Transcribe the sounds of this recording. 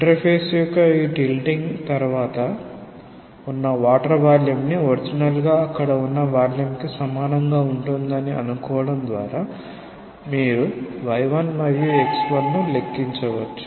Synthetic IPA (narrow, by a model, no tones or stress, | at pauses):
iɳʈɐɾpʰeːsjukɐiʈilɖiŋɡt̪ɐɾuʋaːt̪ɐ | unːɐʋaːʈɐɾʋaːljumnioɾid͡ʒinɐlɡaːɐkːɐɽɐunːɐʋaːljumkisɐmaːnɐŋɡaːuɳʈund̪ɐniɐ̰nukɔːʋɐɽɐmd̪ʋa̰ːɾaː | miːɾuʋɐjʋɐnmɐɾjueksbɐnnulekːiɲt͡ʃɐʋɐʈːu̥